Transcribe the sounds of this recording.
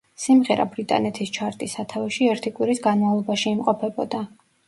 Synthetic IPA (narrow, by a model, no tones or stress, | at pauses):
simʁɛɾa̰bɾit̪ʼa̰nɛt̪ʰist͡ʃʰaɾt̪ʼisat̪ʰavɛʃiɛɾt̪ʰikʼwiɾisɡanmavlˠɔbaʃiːmqʼɔpʰɛbɔd̪a